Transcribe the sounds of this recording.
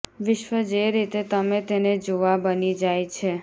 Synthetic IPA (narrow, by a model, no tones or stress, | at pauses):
ʋɪʃʋəd͡ʒeɾit̪et̪əmet̪ened͡ʒoʋabənid͡ʒajt͡ʃʰe